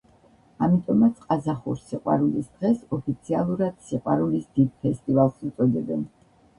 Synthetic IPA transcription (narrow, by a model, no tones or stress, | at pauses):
amit̪ʼɔmat̪sʰqʼazaχuɾsiqʼwa̰ɾulisd̪̥ʁɛsɔpʰit̪sʰialˠuɾad̪̥siqʼwa̰ɾulisd̪id̪̚pʰɛst̪ʼivalˠsut̪sʼɔd̪ɛbɛn